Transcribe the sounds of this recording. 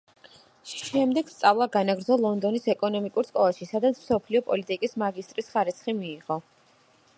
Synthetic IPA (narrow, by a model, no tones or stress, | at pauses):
ʃʃɛmd̪ɛɡ̥st̪sʼavlˠaɡanaɡɾd̪zɔlˠɔnd̪ɔnisɛkʼɔnɔmikʼuɾsʼkʼɔvaʃisad̪at̪sʰmsɔpʰliɔpʼɔlit̪ʼikʼismaɡist̪ʼɾisχaɾit̪sχimiːʁɔ